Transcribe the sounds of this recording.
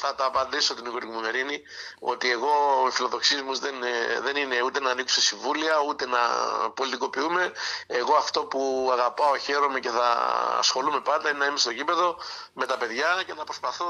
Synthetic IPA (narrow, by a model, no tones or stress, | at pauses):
θɐt̪ɐːpɐnd̪iso̞t̪inikoɾikumume̞ɾini | o̞̰t̪ie̞ɣo̞ifilo̞ðo̞ksizmuzðenðe̞nine̞ut̪e̞nɐːniku̥sesiɱvuliɐut̪e̞nɐ̰po̞lit̪iko̞piume̞ːɣo̞ɐft̪o̞puɐɣɐpɐo̞çe̞ɾo̞mece̞θɐ̰ɐ̰sxo̞lume̞pɐt̪ɐinenɐimest̪o̞cipe̞ðo̞me̞t̪ɐpe̞ðʝɐce̞θɐpɾo̞spɐθo